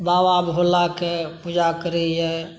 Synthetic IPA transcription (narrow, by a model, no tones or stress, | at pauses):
baːʋaːbɦoːlakepud͡ʒakəɾəiɦɛː